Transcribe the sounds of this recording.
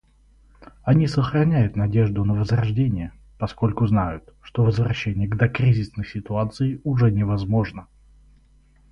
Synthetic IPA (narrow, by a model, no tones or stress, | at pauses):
ɐnʲisəxɾɐnʲæjʊt̪nɐdʲe̞ʐd̪ʊnəvəzrɐʐdʲenʲɪjə | pɐskolʲkʊznajʊt̪ʂt̪o̞vəzvɾɐɕːenʲɪjəɡd̪ɐkɾʲizʲɪsnɨxsʲɪt̪ʊat̪sɨɪʊʐɛnʲɪvɐzmo̞ʐnə